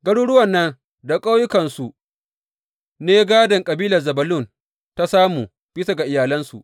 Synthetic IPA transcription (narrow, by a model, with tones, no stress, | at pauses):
ɡɐ˦ɽuː˦ɽʊ˦wɐ˨nːɐ˦n | da˨kʼa˦wjʊ˦kɐ˨nsu˨ | neː˦ɡaː˦dɐ˨ŋkʼɐ˨biː˦lɐ˨rzɐ˨bɐ˨lʊ˦˨n | ta˦saː˦muː˨ | b̥ɪ˦sa˦˨ɡa˨ʔɪ˨jaː˨lɐ˦nsu˨ʔ